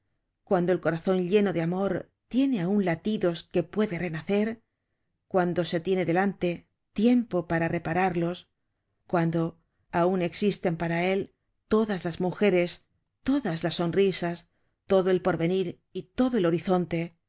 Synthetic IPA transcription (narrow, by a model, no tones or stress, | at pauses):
kwand̪olko̞ɾaθo̞nʎe̞no̞ðeamo̞ɾ | t̪je̞ne̞aunlat̪iðo̞ske̞pwe̞ðe̞re̞naθe̞ɾ | kwand̪o̞se̞t̪je̞ne̞ðe̞lant̪e̞ | t̪je̞mpo̞paɾare̞paɾaɾlo̞s | kwand̪o̞ | aune̞ksist̪e̞mpaɾae̞l | t̪o̞ðazlazmuxe̞ɾe̞s | t̪o̞ðazlasːo̞nrisas | t̪o̞ðoe̞lpo̞ɾβe̞niɾ | it̪o̞ðo̞e̞lo̞ɾiθo̞nt̪e̞